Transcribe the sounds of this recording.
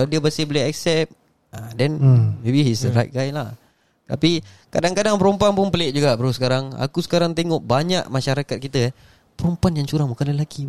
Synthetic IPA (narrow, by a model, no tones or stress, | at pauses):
adiəbəsibolɛɦak̚sɛp̚ | adɛnmebihisəɾajt̪̚ɡanlah | t̪a̰pikadaŋkadaŋpəɾɔmpuanpʊnpəleʔ̚d͡ʒuɡaʔbəɾosə̥kaɾaŋa̰kusə̥kaɾaŋt̪eŋɔʔbaɲaʔmaʃaɾakat̪̚kit̪əɛ | pəɾɔmpuanjaŋt͡ʃuɾaŋmukanləlaki